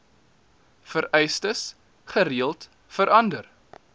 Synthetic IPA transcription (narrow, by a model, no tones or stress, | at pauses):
fəɾɛjstəs | χəɾiəlˠt | fəɾʔɐndər